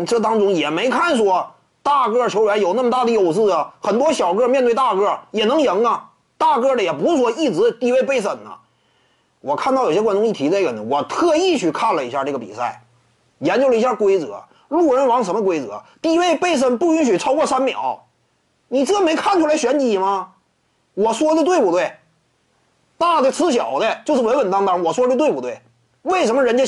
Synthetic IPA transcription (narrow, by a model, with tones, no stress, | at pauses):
ʈ͡ʂɤ˥˩t̪ɑ˥ŋʈ͡ʂʊ˥ŋjɛ˨˩me˧˥ɪkʰa˥˩nʂwɔ˥ | t̪a˥˩kɤ˥˩t͡ɕʰjo˧˥ʊɥɛ˧˥njo˨˩na˥˩mət̪a˥˩d̪ə˩jo˨˩ʊsɹ̩˥˩ə˨˩xə˨˩nt̪wɔ˥ɕjɑ˨˩ʊkɤ˥˧mjɛ˥˧nt̪wt̪a˥˧kɤ˥˩jɛ˨˩nɤ˧˥ŋjɤ˧˥ŋɐ˧ | t̪a˥˩kɤ˥˩d̪ə˩jɛ˨˩pu˧˥s̬wɔ˧˩i˥˩t͡sɻ̩˧˥t̪i˥˧we˥˧ɪpe˥˩ɪs̬ə˨˩nnə̰˦ | wɔ˨˩kʰa˥˩˧nt̪ɑ˥˩jo˨˩ɕjɛ˥kwa˥nʈ͡ʂʊ˥ŋɕi˧˩t̪ʰi˧˥a˥˩ə˨˩nə˩wɔ˨˩t̪ʰɤ˥˧i˥˧t͡ɕʰy˥˧kʰa˥˩nlə˩i˧˥ɕja˥˧ʈ͡ʂɤ˥˩ɡə˩pḭ˨˩sa˥˩ɪ | jɛ˧˥nt͡ɕjo˥ʊlə˧i˧˥ɕja˥˩kwe˥ɪt͡sɤ̰˧˥ | lu˥˩ɻə˧˥nwɑ˧˥ŋʂə˧˥mə˧kwe˥ɪt͡sɤ̰˧˥t̪i˥˧we˥˧ɪpe˥˧ɪs̬ə˥˩npu˥˩y˧˥nɕy˨˩t͡sʰɑ˥ʊkwɔ˥˧sa˥nmjɑ̰˨˩˦ʊ | ni˨˩ʈ͡ʂɤ˥˩ə˨˩me˧˥ɪkʰa˥˩nʈ͡ʂʰu˥la˧ɪɕɥɛ˧˥nt͡ɕi˨˩mɐ˧ | wɔ˨˩swɔ˥˧t̪we˥˩ɪpu˧t̪we˥˩ɪ | t̪a˥˩d̪ə˧˩t͡sʰɹ̩˧˥ɕ̬jɑ˨˩ʊd̪ə˦t͡ɕjo˥˧ʂɻ̩˥˩wə˧˥nwə˨˩nt̪ɑ˥ŋt̪ɑ˥ŋwɔ˨˩swɔ˥˧˥t̪we˥˧ɪpu˧t̪we˥˩ɪ | we˥˩ɪʂə˧˥nmə˧ɻə˧˥nt͡ɕjɛ˥